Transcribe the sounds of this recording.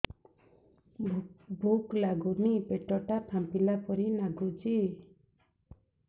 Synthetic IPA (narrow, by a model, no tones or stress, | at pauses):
bʱuklaɡunipeʈɔʈapʰampilapɔɾinaɡud͡ʒi